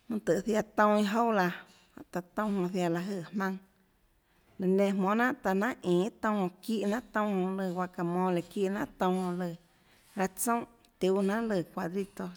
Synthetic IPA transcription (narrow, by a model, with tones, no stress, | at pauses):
mũ˧t̪ə˨ʔθja˧t̪õ˧ĩ˧ɦo˦wla˧ | a̰˧˨t̪a˧t̪õ˦˧˨hõ˧θja˧la˧ɦə˧˨hmã˧ŋ | lɨ˨nẽ˧mõ˨nã˦ʔt̪a˧nã˦ʔʔĩː˨t̪õ˧˨˧ki˦ʔnã˦ʔt̪õ˧hõ˧lɨ˧˨wa˧ka˨mɔ̃ː˧le˨kiː˦ʔnã̰˦ʔt̪õ˧˨˧hõ˧lɨ˧˨ | ɾa˧t͡sõ˦˨ʔ | t̪u˦nã˦ʔlɨ˨kʷa˧˨d̪ɾi˧t̪o˧